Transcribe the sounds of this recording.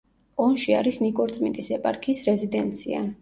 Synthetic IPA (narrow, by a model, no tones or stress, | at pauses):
ɔnʃia̰ɾisnikʼɔɾt̪sʼmḭt̪ʼisɛpʼaɾkʰisɾɛzid̪ɛnt̪sʰia̰